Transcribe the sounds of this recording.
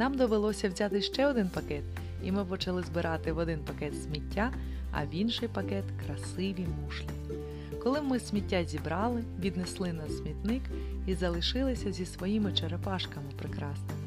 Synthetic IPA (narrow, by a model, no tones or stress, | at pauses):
nɑmd̪ɔʋelˠɔsʲɐwzʲat̪ɪʃt͡ʃɛɔd̪ɪnpɐkɛt̪ | imɪpɔt͡ʃɐlˠɪzbɪɾʔɑt̪ɪʋɔd̪ɪnpɐkɛt̪sʲmʲitʲːa | ɐ̰ʋʲinʃɪjpɐkɛt̪kɾɐsɪʋʲimuʃlʲɪnʲi | kɔlˠɪmɪsʲmʲitʲːazʲibɾɑlˠɪʋʲid̪neslˠɪnɑsʲsʲmʲit̪nɪk | izɐlˠɪʃɪlˠɪsʲɐzʲisʋɔjimɪt͡ʃeɾepɑʃkɐmɪpɾɪkɾɑsnɔ